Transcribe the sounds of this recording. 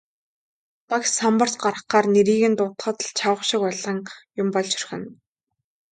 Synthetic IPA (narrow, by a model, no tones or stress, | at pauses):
paksampə̆r̥tɢaɾə̆χɢaːrneɾiːɣɘ̆nt̪ʊt̪χə̆ːt̪̆ɮt͡ɕʰawə̆χʃɪ̆kʊɮə̆ŋjʊmpɔɮt͡ɕʰɵ̥rxɘ̆n